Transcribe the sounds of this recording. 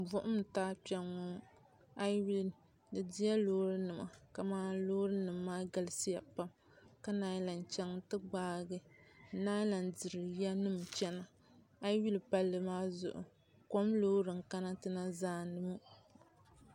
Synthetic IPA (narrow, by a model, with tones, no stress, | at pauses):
bʊ˦ʔʊ˦m̩˨taː˦pɛ˨ŋːʊ˦ | a˦wi˦l | dɨ˨di˦ja˦loː˦ɾɨ˦nɨ˨ma̰˨ka˨maː˦loː˦ɾɨ˦nɨ˨mːaː˦ɡa˨lɨ˦si˦ja˨pa˦m | ka˦naː˦jla˨n˨t͡ʃɛ˦ŋtɨ˦ɡ͡baː˦ɡɨ˦naː˦la˨ndɨ˨ɾɨ˨ja˦nɨ˦mt͡ʃɛ˦na˨ | a˦jwi˦lpa˦lːɨ˨maː˦zʊ̰˨ʔʊ̰˨ | ko˦mloː˦ɾɨ˨ŋ˨ka˦na˦tɨ˦na˦zaː˦nɨ˦mu˦